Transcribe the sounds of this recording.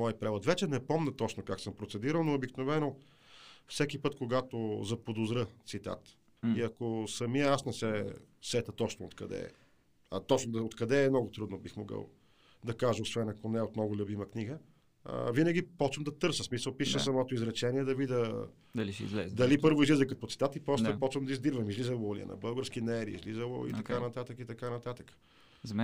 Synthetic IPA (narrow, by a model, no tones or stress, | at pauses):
mɔjpɾɛvot̪vɛt͡ʃɛnɛpɔmnət̪ɔt͡ʃnokaksɤmpɾot̪sɛd̪iɾəlˠnoːbiknovɛno | fsɛkipɤt̪koɡat̪ozɐpod̪ozɾət̪sit̪a̰t̪ | iɐkosɐmijəasnɛsɛsɛt̪ət̪ɔt͡ʃnoo̰t̪kɐ̰d̪ɛ̰ | t̪ɔt͡ʃnod̪ɐot̪kɐd̪ɛːmnɔɡʊt̪ɾud̪nobixmoɡə̰lˠ | d̪ɐkaʒəosvɛnɐkonɛot̪nɔɡʊlʲubiməkniɡə | ə̰vinəɡ̟ipɔt͡ʃvɐmd̪ɐt̪ɤɾsəsmisəlˠpiʃəssɐmɔt̪oizɾɛt͡ʃɛniɛd̪ɐvid̪ə | d̪ɐliʃɛḭzlɛ̰zd̪ɐlipɤɾvoizlizəkɐt̪̚pot̪si̥t̪at̪ipɾɔst̪pɔt͡ʃvɐmd̪ɐizd̪iɾvɐmizlizəlˠolḭə̰nɐ̰bɤlˠɡəɾskinɛɾiḭzlizəlˠo̰ḭt̪ɐkanɐt̪at̪əkit̪ɐkanɐt̪at̪ə̥kə̥ | z